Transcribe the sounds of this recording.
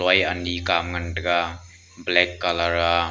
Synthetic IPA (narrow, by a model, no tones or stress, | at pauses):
ajanikamŋɐndɐɡa | blɛkːalaɾa